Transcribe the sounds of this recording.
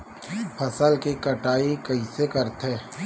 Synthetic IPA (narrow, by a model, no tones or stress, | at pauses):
pʰɐsəlkikɐʈaːikɐisekɐɾt̪ɦɛː